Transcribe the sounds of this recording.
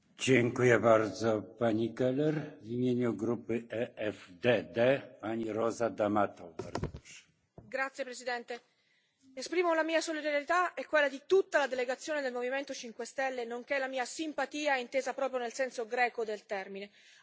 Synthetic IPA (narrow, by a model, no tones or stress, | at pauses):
d͡ʑɛŋkujɛbaɾd̪zɔpaɲikɛlɛɾvimʲjeɲuɡɾupɘɛɛvd̪ɛd̪ɛpaɲiɾɔzad̪amat̪ɔwba̰ɾzɔpɾɔʂɛ̥ | ɡɾat̪sːjepɾezid̪ɛnt̪e | espɾiːmolamiːasolid̪aɾjet̪aɛkːwelːad̪it̪ut̪ːalad̪eleɡat̪sːjoːned̪elmoviment̪ot͡ʃiŋkwest̪ɛlːenoŋkɛlamiːasimpat̪iːaint̪eːzapɾɔːpɾjonelsɛnsoɡɾɛːkod̪elt̪ɛrmine